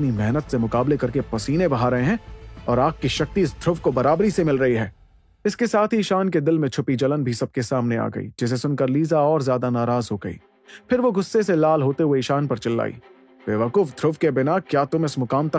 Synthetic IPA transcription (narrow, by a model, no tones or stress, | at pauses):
nimɛɦnət̪semʊkaːblekɐɾkepɐsiːnebɐɦaːɾɐɦeɦɛ̃ɔːɾaːk̚kːiʃɐk̚t̪iɪsd̪ʱɾʊʋkobɐɾaːbɾisemɪlɾɐɦiɦɛː | ɪskesaːt̪ʰɦiʃaːnked̪ɪlmẽt͡ʃʰʊpid͡ʒɐlənbʱisɐb̚kesaːmnea̰ːɡɐ̰ḭːd͡ʒɪs̬esʊnkɐɾliːzaɔːɾzjaːd̪anaːɾaːzɦoɡɐḭː | pʰɪɾʋoɡʊsːeselaːlɦoːt̪eɦueɪʃaːnpɐɾt͡ʃɐlːa̰ːḭː | beːʋəkʊfd̪ʱɾʊʋkebɪnakjaːt̪ʊmɪsmʊkaːmt̪ɐ